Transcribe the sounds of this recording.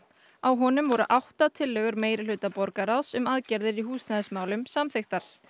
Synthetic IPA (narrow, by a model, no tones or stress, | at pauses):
awɦɔnʏmvɔɾʏʔawht̪at̪ʰɪlːɛːɣʏɾmeːjɾɪlʏːt̪apɔɾkaɾawsʏmaðcɛɾðɪɾiɦuːsnaðɪsmaːwlʏmsamθext̪aɾ̥